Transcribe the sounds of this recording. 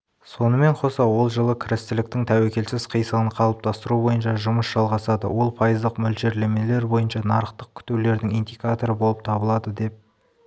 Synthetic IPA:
so̞nəme̞ɴqʰo̞sɑwo̞lˠʒəlˠəkʲʰɪɾɪst̪ɪlɪk̚t̪ɪŋt̪ʰæwekʲe̞lsɪzqʰijsəʁənqʰɑlˠəp̚t̪ʰɑst̪əɾubo̞jənʃɑʒʊməsʒ̥ɑlˠʁɑsɑd̪ə̰wʔo̞lˠpʰɑjəzd̪əqmʏlʒe̞ɾle̞me̞le̞ɾbo̞jənʃɑnɑɾəqt̪əq̚kʲʰʏ̥t̪ewle̞ɾd̪ɪŋijnd̪ijkat̪o̞ɾəbo̞lˠəp̚t̪ʰɑbəlˠɑd̪əd̪e̞p̚

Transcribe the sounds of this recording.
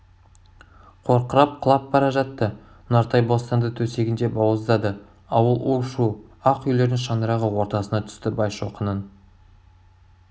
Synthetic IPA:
qʰo̞ɾqəɾɑp̚qʰəlˠɑp̚bɑɾɑʒɑt̪ːə | nɑɾt̪ɑjbo̞st̪ɑnd̪ət̪ʰɵse̞ɡʲɪnd̪e̞bɑwəzd̪ɑd̪ə | ɑwəlˠuʃuɑqʏjle̞ɾd̪ɪŋʃ̬ɑnəɾɑʁəwo̞ɾt̪ɑsənɑt̪ʰʏ̥st̪ɪbɑjʃo̞qənən

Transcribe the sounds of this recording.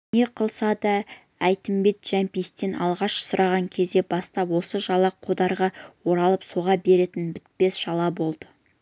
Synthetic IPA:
ne̞qʰəlˠsɑd̪ɑ | æjt̪ɪmbe̞t̪ʒ̥æmpijst̪e̞nɑ̰lˠʁɑʃsʊɾʔɑʁɑŋkʲʰe̞zd̪e̞bɑst̪ɑpwo̞səʒɑlˠɑqʰod̪ɑɾʁɑwo̞ɾɑlˠəpso̞ʁɑbe̞ɾe̞t̪ɪnbɪt̪̚pe̞sʒ̥ɑlˠɑbo̞lˠd̪ə

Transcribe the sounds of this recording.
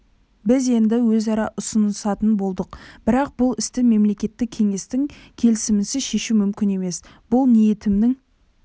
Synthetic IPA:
bɪze̞nd̪ɪwɵzɑɾɑʔʊsənəsɑt̪ənbo̞lˠd̪əqb̥ɪɾɑq̚bʊlˠɪst̪ɪme̞mle̞kʲe̞t̪ːɪk̚kʲʰe̞ŋe̞st̪ɪŋkʲʰe̞lɪsɪmɪsɪʃe̞ʃumʏmkʲɪne̞me̞s | b̥ʊlˠnije̞t̪ɪmnɪŋ

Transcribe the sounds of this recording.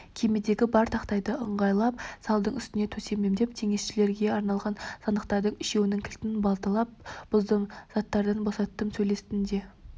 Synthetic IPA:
kʲʰe̞med̪e̞ɡʲɪbɑɾt̪ʰɑqt̪ɑjd̪əʔəɴʁɑjlˠɑpsɑlˠd̪əɴʏst̪ɪne̞t̪ʰɵse̞me̞md̪e̞p̚t̪ʲʰe̞ŋe̞sʃɪle̞ɾɡʲe̞ɑɾnɑlˠʁɑnsɑnd̪əqt̪ɑɾd̪əɴɪʃe̞wɪnɪŋkʲʰɪlt̪ɪnbɑlˠt̪əlˠɑp̚b̥ʊzd̪əmz̥ɑt̪ːɑɾd̪ɑnbo̞sɑt̪ːəmsɵjle̞st̪ɪnd̪e̞

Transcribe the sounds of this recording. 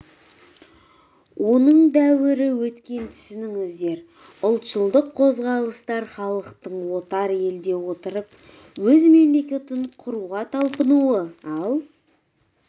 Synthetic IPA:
wʔo̞nəɴd̪æwɪɾɪwɵt̪kʲe̞nt̪ʰʏ̥sɪnɪŋɪzd̪e̞ɾ | ʊlˠt̪ʃəlˠd̪əqʰːo̞zʁɑlˠəst̪ɑɾχɑlˠəqt̪əɴwo̞t̪ɑɾe̞ld̪e̞wo̞t̪əɾəp̚ | wɵzme̞mle̞kʲe̞t̪ɪɴqʰʊɾuʁɑt̪ʰɑlˠpənuəɑlˠ

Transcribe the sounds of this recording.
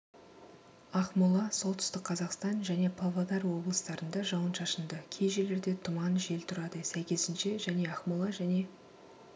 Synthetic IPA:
ɑqmulˠɑso̞lˠt̪ʏ̥st̪ɪkqʰɑzɑqst̪ɑnʒæne̞pʰɑvˠad̪ɑɾwo̞blˠəst̪ɑɾənd̪ɑʒɑwənʃɑʃənd̪əkʲʰe̞jʒe̞le̞ɾd̪e̞t̪ʰʊmɑnʒe̞lt̪ʰʊɾɑd̪əsæjkʲe̞zɪnʃe̞ʒæne̞ɑχmulˠɑʒæne̞

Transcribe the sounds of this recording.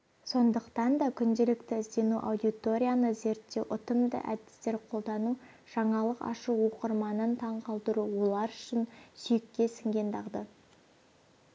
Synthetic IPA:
so̞nd̪əqt̪ɑnd̪ɑkʲʰʏnd̪e̞lɪkt̪ɪɪzd̪e̞nuʔa̰wd̪it̪o̞ɾʲijanəze̞ɾt̪ːe̞wʔʊt̪əmd̪ə̰ʔæd̪ɪ̥st̪e̞ɾqʰo̞lˠd̪ɑnu | ʒ̥ɑɴɑlˠəqɑ̰ʃuwo̞qəɾmɑnənt̪ʰɑɴqʰɑlˠd̪əɾuwo̞lˠɑɾʏʃɪnsʏjɪkʲːe̞sɪŋɡʲe̞nd̪ɑʁd̪ə

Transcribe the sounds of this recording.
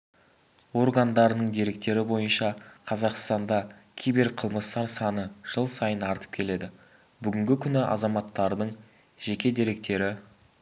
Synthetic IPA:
wo̞rɡɑnd̪ɑɾənəɴd̪e̞ɾe̞k̚t̪e̞ɾɪbo̞jənʃɑqʰɑzɑqst̪ɑnd̪ɑkʲʰijbɪɾqʰəlˠməst̪ɑɾsɑnəʒ̥əlˠsɑjənɑɾt̪ə̥p̚kʲʰe̞le̞d̪ɪ | bʏɡʲɪŋɡʲɪkʲʰʏnɪʔɑ̰zɑmɑt̪ːɑɾd̪əɴ | ʒe̞kʲe̞d̪e̞ɾe̞k̚t̪e̞ɾɪ

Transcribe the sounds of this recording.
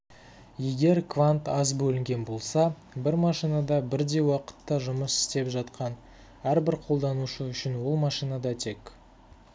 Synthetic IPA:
je̞ɡʲe̞ɾkvant̪ɑzbɵlɪŋɡʲe̞nbo̞lˠsɑ | bɪɾmɑʃijnɑd̪ɑbɪɾd̪e̞jwɑqə̥t̪ːɑʒʊməsɪ̥st̪e̞pʒɑt̪qʰɑn | æɾbɪɾqʰolˠd̪ɑnuʃəʏʃɪnwo̞lˠmɑʃijnɑd̪ɑt̪ʰe̞k

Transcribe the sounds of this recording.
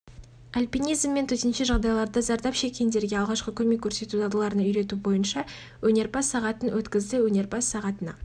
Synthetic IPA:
alʲpijnijzmːe̞nt̪ʰɵt̪enʃɪʒɑʁd̪ɑjlˠɑɾd̪ɑzɑɾd̪ɑpʃe̞kʲe̞nd̪e̞ɾɡʲeɑlˠʁɑʃqəkʲʰɵme̞kʲʰːɵɾse̞t̪ud̪ɑd̪əlˠɑɾənɑʏjɾe̞t̪ubo̞jənʃɑ | wɵne̞ɾbɑsːɑʁɑt̪ənwɵt̪kʲɪzd̪ɪwɵne̞ɾbɑsːɑʁɑt̪ənɑ̰

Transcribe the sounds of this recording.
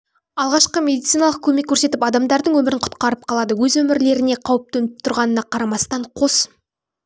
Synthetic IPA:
ɑlˠʁɑʃqəmʲe̞d̪it̪sijnɑlˠəq̚kʲʰɵme̞kʲʰːɵɾse̞t̪ɪpɑd̪ɑmd̪ɑɾd̪əɴwɵmɪɾɪɴqʰʊ̥t̪qɑɾəp̚qʰɑlˠɑd̪əwɵzwɵmɪɾle̞ɾɪne̞qʰɑwəp̚t̪ɵnɪp̚t̪ʰʊɾʁɑnənɑqʰɑɾɑmɑst̪ɑɴqʰo̞s

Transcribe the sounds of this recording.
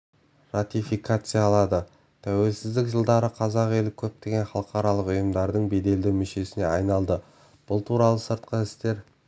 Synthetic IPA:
rat̪ifikat̪sɨjaɑlˠɑd̪ə | t̪ʰæwe̞lsɪzd̪ɪkʒəlˠd̪ɑɾəqʰɑzɑqe̞lɪkʲʰɵp̚t̪e̞ɡʲe̞nχɑlˠəqɑɾɑlˠəqʊjəmd̪ɑɾd̪əɴbe̞d̪e̞ld̪ɪwmʏʃe̞sɪne̞ɑjnɑlˠd̪ə | b̥ʊlˠt̪ʰuɾɑlˠəsəɾt̪̚qəɪst̪e̞ɾ

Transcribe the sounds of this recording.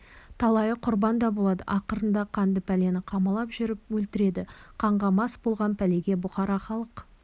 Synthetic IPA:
t̪ʰɑlˠɑjəqʰʊɾbɑnd̪ɑbolˠɑd̪ə̰ʔɑqəɾənd̪ɑqʰɑnd̪əpʰæle̞nɪqʰɑmɑlˠɑpʒʏɾɪp̚wɵlt̪ɪɾe̞d̪ɪqʰɑɴʁɑmɑsbo̞lˠʁɑnpʰæle̞ɡʲe̞bʊχɑɾɑχɑlˠəq

